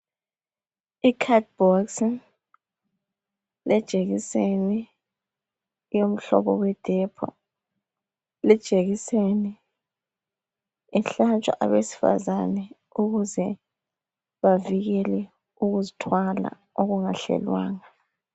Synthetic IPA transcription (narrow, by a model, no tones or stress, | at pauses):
ikʰat̚b̥ɔks | lɛd̥ʒ̥ʱʼeɣiseni | jom̩ɬɔ̰βɔwɛd̥ʱɛpʰɔ̰ | lɛd̥ʒ̥ʼʱeɣiseni | ɛɬant͡ʃʼwa̰ʔaβesi̥fa̰zanɛ | uɣuzɛ | βaviɣɛlɛ | uɣuzitʰwala̰ | oɣuŋaɬɛ̰lwa̰ːŋa